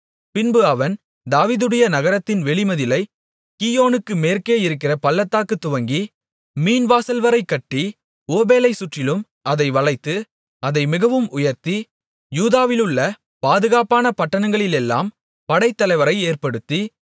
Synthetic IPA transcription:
pɪnbɯɐʋɐn | d̪aːʋiːðɯɽɐjɐnɐɣɐɾɐt̪ːɪnʋɛɭɪmɐðɪlɐɪ | kiːjoːnɯkːɯmeːrkeːjɪɾɯk̬ːɪrɐpɐlːɐt̪ːaːkɯt̪ːʊʋɐŋɡi | miːnʋaːsɐlʋɐɾɐɪkːɐʈːi | oːbeːlɐɪsʊʈrɪlɯm | ʔɐðɐɪʋɐɭɐɪt̪ːɯ | ɐðɐɪmɪɣɐʋɯmʊjɐɾt̪i | juːðaːʋɪlɯɭːɐ | paːðɯɣaːpaːnɐpɐʈːɐnɐŋɡɐɭɪlɛlːa̰ːm | pɐɽɐɪt̪ːɐlɐɪʋɐɾɐɪeːrpɐɽɯt̪ːi

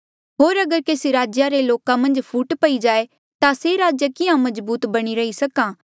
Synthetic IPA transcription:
ɦoːɾɐɡəɾkeːsiɾaːd͡ʒjaɾeloːkãmɐ̃nd͡ʒpʰuːʈpɐid͡ʒaːe | t̪aseɾaːd͡ʒjəkɪjãmɐzbuːt̪bɐɽ̃iɾɐisɐkãː

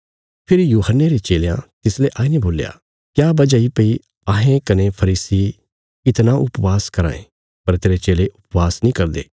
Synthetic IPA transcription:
pʰɪɾijuːɦənːeɾet͡ʃeːlejã̰t̪ɪsleʔaːinẽboːlja̰ | kjaːbɐd͡ʒaipɐi | aːɦẽkɐnepʰɐɾiːsi | ɪt̪naʊpʋaːskɐɾã̰ːḛ̃ | pɐɾt̪eːɾet͡ʃeːleʔʊpʋaːsnĩːkɐɾd̪ḛː

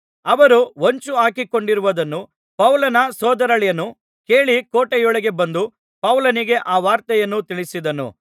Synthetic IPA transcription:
ɐʋɐɾuoɲt͡ʃuaːkiko̞ɳɖiɾuʋɐd̪ɐnːu | pɐwlɐnɐsɔːd̪ɐɾɐɭjɐnːu | ke̞ːɭikoːʈɛjɔɭɐɡe̞bɐnd̪u | pɐwlɐniɡe̞ʔaːʋaːɾt̪ɐjɐnːut̪iɭisid̪ɐnṵ

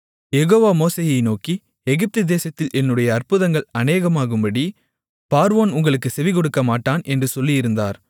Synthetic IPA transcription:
jɛɣoːʋaːmoːseːjɐɪnoːki | ɛɣɪp̚t̪ɯd̪eːsɐt̪ːɪlʔɛnːɯɽɐjɐːrpɯðɐŋɡɐɭɐneːɣɐmaːɣɯmbɐɽi | paːɾʋoːnʊŋɡɐɭɯkːɯsɛʋɪk̬ɔɽɯkːɐmaːʈːaːnʔɛndrɯsɔlːijɪɾɯnd̪aːɾ

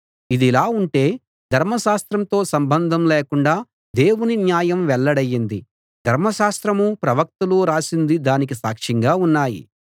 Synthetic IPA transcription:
id̪ilaːuɳʈe̞ː | d̪ʱɐɾmɐʃaːst̪ɾɐmt̪o̞ːsɐmbɐnd̪ʱɐmleːkuɳɖaː | d̪e̞ːwuninjaːjɐmʋɛɭːɐɽɐjːind̪i | d̪ʱɐɾmɐʃaːst̪ɾɐmupɾɐʋɐk̚t̪ɐluɾaːsind̪id̪aːnik̬isaːkʂɐŋɡaːunːaːjḭ

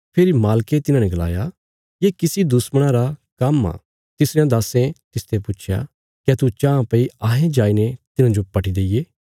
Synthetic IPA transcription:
pʰeːɾimaːlket̪ɪnãnɛ̃ɡɐla̰ːja | jeːkɪsid̪ʊsməɽ̃ãɾakɐmã̰ | t̪ɪsɾejãd̪aːsẽt̪ɪst̪ʰepʊt͡ʃʰja̰ | kɛt̪ut͡ʃãːãpeiaːɦẽd͡ʒaːinet̪ɪnãd͡ʒopɐʈʰid̪eːijeː

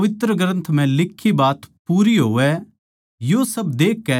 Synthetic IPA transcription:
ʋɪt̪ɾəɡɾɐ̃nt̪ʰm̤ɛ̃lɪkʰːibaːt̪puːɾiɦoːʋɛ | josɐbd̪eːkːɛ

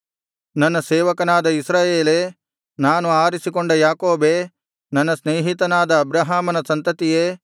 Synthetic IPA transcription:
nɐnːɐseːʋɐkɐnaːd̪ɐisɾaːjeːleː | naːnuaːɾisikoɳɖɐjaːko̞ːbeː | nɐnːɐsneːɦit̪ɐnaːd̪ɐːbɾɐɦaːmɐnɐsɐnt̪ɐt̪ijeː

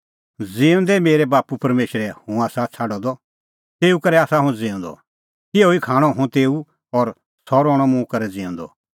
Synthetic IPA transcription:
d͡zĩːʊ̃nd̪ɛmeːɾɛbaːpupɐɾmeːʃɾɛhũaːsat͡sʰaːɖɔd̪ɔ | t̪eːukɐɾɛaːsaɦũd͡zɪ̃ːʊ̃nd̪ɔ̰ | t̪ɪoikʰaːɽ̃ɔɦʊ̃t̪eːu | ɔɾ | sɔɾɔːɽ̃ɔmũkɐɾɛd͡zĩːʊ̃nd̪ɔ̰

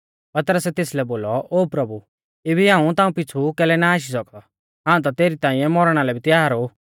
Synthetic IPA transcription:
pɐt̪ɾəsɛt̪eːslɛboːlɔʔoːpɾɐbu | ebʱiɦãːũt̪aːũpɪt͡sʰukɛːlɛnaaːʃ̬is̬ɔkd̪ɔ | ɦãːũt̪̬at̪eːɾit̪ãːĩɛ̃mɔɾɽ̃alɛbʱit̪ɪjaːɾo

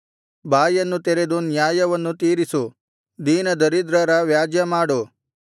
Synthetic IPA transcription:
bʱaːjɐnːut̪eɾe̞d̪unjaːjɐʋɐnːut̪iːɾisu | d̪iːnɐd̪ɐɾid̪ɾɐɾɐʋjaːd͡ʒjɐmaːɽu

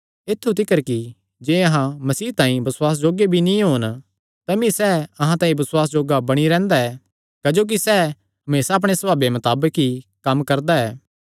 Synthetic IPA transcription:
ɪt̪ʰːut̪̬ɪkəɾki | d͡ʒeːɐɦãmɐsiːt̪ãːĩbɐsʊwaːs̬d͡ʒoːɡebʱinĩɦoːn | t̪ɐmĩsɛːɐɦãt̪ãːĩbɐswaːs̬d͡ʒoːɡabɐɽ̃iɾɛ̃ːnd̪aɛː | kɐd͡ʒoːk̬isɛː | ɐmeːsaːp̬ɽ̃esɐbaːbemɐt̪aːbəkɦikɐmkɐɾd̪aɛː

